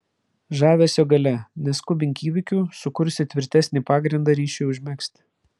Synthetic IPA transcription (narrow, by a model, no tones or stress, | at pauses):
ʒɑːʋʲeːsʲoːɡɐlʲɛnʲɛskʊbʲɪŋʲkʲiːʋʲɪkʲuːsʊkʊɾʲsʲɪt̪ʲʋʲɪɾʲt̪ʲæsʲnʲiːpɑːɡɾʲɪnd̪ɑɾʲiːʃʲɛʊʒʲmʲɛksʲt̪ʲ